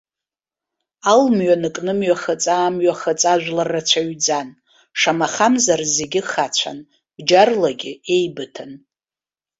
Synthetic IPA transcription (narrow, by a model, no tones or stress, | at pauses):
almɥanɨkʼnɨmɥaχət͡sʼaːmɥaχat͡sʼaʒʷᶣlarːat͡ɕʷʰaɥd͡zan | ʂamaχamzarze̞ɡʲɪχat͡ɕʷʰa̰n | d͡ʒarlaɡʲɪe̞jbɨtʰan